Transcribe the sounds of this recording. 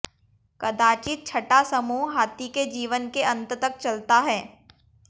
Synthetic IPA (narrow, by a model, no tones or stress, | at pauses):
kɐd̪aːt͡ʃit̪̚t͡ʃʰɐʈasɐmuːɦɦaːt̪iked͡ʒiːʋənkeɐ̃nt̪t̪ɐk̚t͡ʃɐlt̪aɦɛː